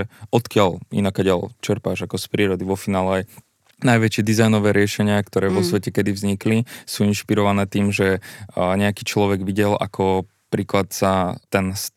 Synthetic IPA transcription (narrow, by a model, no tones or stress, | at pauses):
ɛɔt̪kɪalḭnakːaɟɪalt͡ʃɛɾpaːʒakɔspɾiːɾɔd̪iʋɔfinaːlɛaj | najʋɛt͡ʃɪɛd̪izajnɔʋɛːɾɪɛʃɛɲɪakt̪ɔɾɛːʋɔsʋɛcɛkɛd̪ivzɲiklisuːinʃpiɾɔʋanɛːt̪iːmʒɛɲɛakiːt͡ʃlɔʋɛɡʋiɟɛla̰kʰɔ | pɾiːklat̪sat̪ɛns